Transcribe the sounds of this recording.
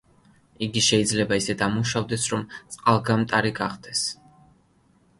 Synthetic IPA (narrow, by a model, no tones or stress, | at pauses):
iɡiʃɛid̪zlɛbaisɛd̪amuʃavd̪ɛsɾɔmt̪sʼqʼalˠɡamt̪ʼaɾiɡaχd̪ɛs